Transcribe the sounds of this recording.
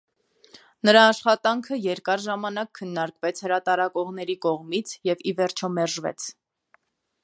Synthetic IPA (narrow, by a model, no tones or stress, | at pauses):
nəɾɑːʃχɑt̪ɑŋkʰəjɛɾkɑɾʒɑmɑnɑkʰːənːɑɾkvɛt͡sʰhəɾɑt̪ɑɾɑkɔʁnɛɾikɔʁmit͡sʰjɛvivɛɾt͡ʃʰɔmɛɾʒvɛ̰t͡sʰ